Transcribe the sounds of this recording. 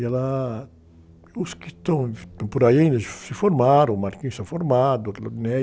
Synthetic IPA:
ɛla | ʊskɪt̪ɐ̃w̃poɾaiaĩnd̪ɐsɪfoɾmaɾɐ̃maɾkĩst̪ãfoɾmad̪ʊot̪lonɛ

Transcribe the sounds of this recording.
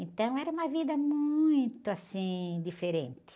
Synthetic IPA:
ẽnt̪ɐ̃w̃ɛɾɐũmɐvid̪ɐmuj̃t̪ʊasĩd̪ifeɾẽnt̪ɪ̥

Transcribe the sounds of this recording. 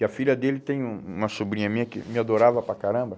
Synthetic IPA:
ɪɐfiʎɐd̪elɪt̪ẽj̃ũũmɐsobɾĩɲɐmĩɲɐkɪ̰mɪad̪oɾavɐpɾakaɾɐ̃mbɐ

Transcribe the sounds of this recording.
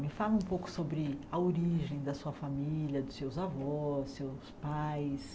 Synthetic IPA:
mɪfalʊũpowkʊ̥sobɾɪɐoɾiʒẽj̃d̪ɐsuɐfamiljɐd̪ʊsewzavɔːewspajs

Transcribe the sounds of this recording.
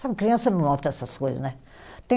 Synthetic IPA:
sabkɾiɐ̃sɐnɐ̃w̃nɔt̪ɐɛsɐskojzɐ̰nɛ | t̪ẽ

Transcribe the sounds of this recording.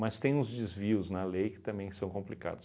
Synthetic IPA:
mɐst̪ẽj̃ʊzd͡ʒɪzviʊznɐlejkɪ̥t̪ɐ̃mbẽj̃sɐ̃w̃kõmplika̰d̪ʊs

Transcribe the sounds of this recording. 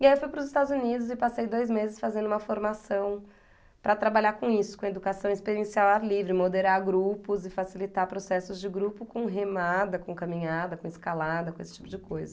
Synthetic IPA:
iaiewfujpɾʊzɪst̪ad̪ʊzunid̪ʊzɪpasejd̪ojzmezɪsfazẽnd̪ʊũmɐfoɾmasɐ̃w̃ | pɾɐt̪ɾabaʎakõisʊ̥kõed̪ukasɐ̃w̃espeɾiẽsiawaɾlivɾɪmod̪eɾaɾɡɾupʊzɪfasilit̪apɾosɛsʊzd͡ʒɪɡɾupʊkõɦemad̪ɐkõkamĩɲad̪ɐkõɪskalad̪ɐkõesɪ̥t͡ʃi̥pʊd͡ʒɪkojzɐ

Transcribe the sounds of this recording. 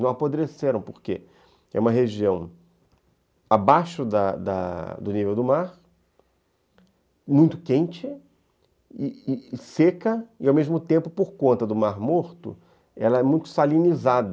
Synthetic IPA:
nɐ̃w̃apod̪ɾeseɾɐ̃w̃poɾkḛ | ɛ̰ũmɐɦeʒiɐ̃w̃ | abaʃʊd̪ɐ̰d̪ɐ̰d̪ʊnivewd̪ʊmaɾ | mũj̃t̪ʊ̥kẽnt͡ʃɪ | ɪɪsekɐɪawmeʒmʊt̪ẽmpʊpoɾkõnt̪ɐd̪ʊmaɾmoɾt̪ʊ̰ | ɛlɐɛmũj̃t̪ʊ̥salĩnizad̪ɐ

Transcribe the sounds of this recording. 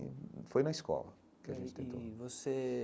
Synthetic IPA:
fojnɐiskɔ̰lɐ | kɪɐʒẽnt͡ʃɪt̪ẽnt̪o̰vose

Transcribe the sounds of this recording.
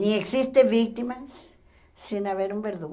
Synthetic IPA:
nieksist̪embik̚t̪imasː | inaβeɾumbeɾðuɣ

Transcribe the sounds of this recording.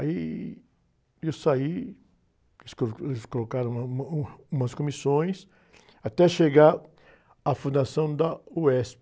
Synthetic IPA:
ai | ewsai | esoelskolokaɾɐ̃ũɐũmɐskõmisõj̃s | at̪ɛʃeɡaɾ | ɐfũd̪asɐ̃w̃d̪ɐuɛsp

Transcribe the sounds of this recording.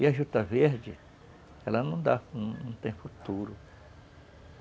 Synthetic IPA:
ɪɐʒut̪ɐveɾd͡ʒɪ | ɛlɐnɐ̃w̃d̪añnɐ̃w̃t̪ẽj̃fut̪uɾʊ

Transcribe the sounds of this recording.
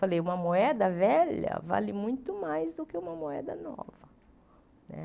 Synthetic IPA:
falejũmɐmoɛd̪ɐvɛʎɐ̰va̰lɪmũj̃t̪ʊmajzd̪ʊkɪũmɐmoɛ̰d̪ɐnɔ̰vɐ | nɛ̰

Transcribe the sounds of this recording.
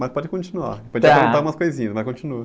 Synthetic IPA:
mɐspɔd͡ʒɪkõt͡ʃinua̰pɔd͡ʒɪaɾẽt̪aumɐskojzĩɲɐsvajkõt͡ʃinuɐ

